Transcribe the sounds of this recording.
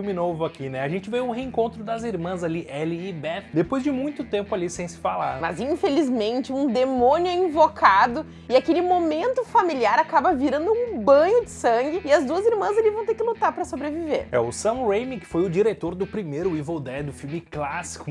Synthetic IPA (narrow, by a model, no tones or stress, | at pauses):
fwmɪnovʊakʰinɛaʒẽnt͡ʃɪvejʊheẽŋkõnt̪ɾʊd̪ɐziɾmɐ̃zaliʔɛlɪːbɛfd̪epojzd͡ʒɪmũj̃t̪ʊt̪ẽmpʊalisẽj̃sɪ̥fala̰ɾmɐ̰zĩfelizmẽnt͡ʃɪũd̪emõnjʊĩvokʰad̪ʊ | ɪakelɪmomẽnt̪ʊfamiliaɾakabɐviɾɐ̃nd̪ʊũbɐ̃ɲʊd͡ʒɪsɐ̃ŋɡɪɪɐzd̪uɐziɾmɐ̃zalivɐ̃w̃t̪eɾkɪlut̪aɾpɾɐsobɾevivḛɾɛ̰ʊsɐ̃w̃ɾejmikɪ̥fojʊd͡ʒiɾet̪oɾd̪ʊpɾimejɾʊivowd̪ɛd̪ʊfiwmɪklasi̥kʊ